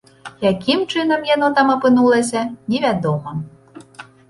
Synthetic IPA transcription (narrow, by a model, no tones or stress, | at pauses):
jakʲɪmt͡ʂɪnɐmjanɔt̪amɔpɪnulˠɐsʲɐnʲiʋʲæd̪ɔmɔ